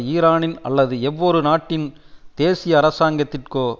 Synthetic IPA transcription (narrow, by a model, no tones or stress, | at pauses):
iːɾaːnɪnɐ̰lːɐðɯɛʋːoːɾɯnaːʈːɪn | d̪̥eːsɪjɐːɾɐsaːŋɡɐt̪ːɪrkoː